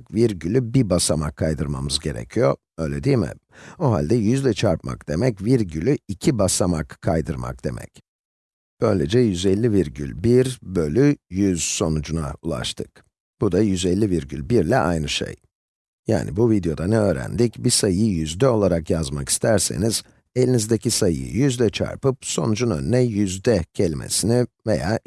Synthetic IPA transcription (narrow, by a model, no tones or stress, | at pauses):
kviɾɟylʲybibasamakʰːajd̪ɯɾmamɯzɟe̞ɾɛ̰cʰijo̞̰ | ø̞jlʲɛd̪ijmɪ̰ | oɦa̰lʲd̪ɛjyzlʲɛt͡ʃʰaɾp̚ma̰kd̪̥e̞mɛcviɾɟylʲyicʰibasamakʰːajd̪ɯɾma̰k̚d̪̥e̞̰mʔɛ̰c | b̥ø̞jlʲḛd͡ʒɛjyzɛlʲːiviɾɟylʲbiɾbø̞lʲyjyz̥so̞nud͡ʒuna̰ulˠa̰ʃt̪ʰɯk̚ | b̥ud̪ajyzɛlʲːiviɾɟylʲbiɾlʲɛʔajnɯʃḛj | ja̰ːnḭbuvid̪jo̞d̪anɛø̞ːɾæ̰nd̪icbisajɯjyzd̪ɛo̞lˠaɾakjazmaki̥st̪ʰæɾsḛniz̥ | e̞lʲinizd̪ecisajɯ̰ɯ̰jyzd̪ɛt͡ʃʰa̰ɾpɯpso̞̰nud͡ʒunø̞̰nynɛjyzd̪ɛcʰɛlʲimʔḛsinive̞jaː